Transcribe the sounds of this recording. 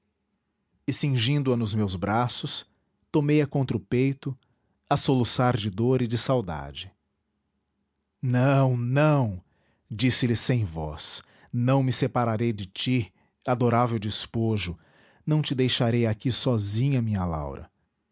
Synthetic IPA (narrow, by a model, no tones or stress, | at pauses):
ɪsĩʒĩnd̪ʊɐnʊzmewzbɾasʊs | t̪omejɐkõnt̪ɾʊpejt̪ʊ | ɐsolusaɾd͡ʒɪd̪oɾɪd͡ʒɪsawd̪a̰d͡ʒɪ | nɐ̃w̃nɐ̃w̃ | d͡ʒisɪlɪsẽj̃vɔ̰s | nɐ̃w̃mɪsepaɾaɾejd͡ʒɪt͡ʃi | ad̪oɾavewd͡ʒɪspoʒʊ | nɐ̃w̃t͡ʃɪd̪ejʃaɾejakisɔzĩɲɐmĩɲɐla̰wɾɐ̰